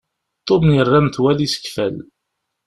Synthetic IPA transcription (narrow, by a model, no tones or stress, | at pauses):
t̪ˤːomnjərˤːamθwælisə̥kfæl